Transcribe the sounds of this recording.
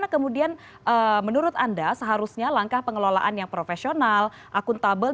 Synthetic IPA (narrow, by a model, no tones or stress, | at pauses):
nakəmudian | ʔəːmənuɾʊt̪andasəɦaɾusɲalaŋkahpəŋəlola̰ʔanjaŋpɾofesional | ʔakʊnt̪abəl